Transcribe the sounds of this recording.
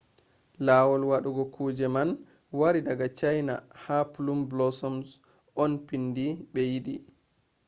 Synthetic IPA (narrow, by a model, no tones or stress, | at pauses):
laːwɔlwaɗuɡɔkʰuːd͡ʒɛman | waɾidaɡat͡ʃajna̰hapulumblɔsɔms | ɔnpindiɓɛjiɗi